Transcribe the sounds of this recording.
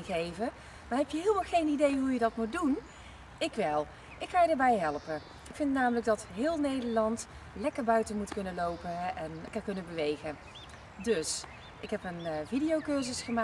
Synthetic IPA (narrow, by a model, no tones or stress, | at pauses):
nɣejvə | maːɹɦɛpjəɦɪːlˠmɑχejnidejɦujədɑtmut̚dun | ɪkʋɛlˠ | ʔɪkχaːjədəːɹbɛjɦɛlˠpən | ɪkfɪntnaːmələɡ̚dɑtɦɪːlˠnejdəɹlɑnt | lɛkəɹbœɥtənmutkɵnənlowpəɛnkakɵnənbəʋejχə | dɵs | ʔɪkɦɛpənvidijowkøɹzəsχəmaː